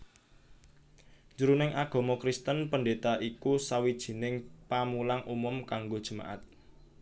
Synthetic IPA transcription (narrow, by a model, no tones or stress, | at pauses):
nd͡ʒuɾunɪŋʔaɡ̥ɔ̤mɔkɾist̪ənpəndet̪aʔikusawid̥ʒ̥i̤nɪŋpamulaŋʔumʊmkaŋɡod̥ʒ̥ə̤ma̰ʔa̰t̪̚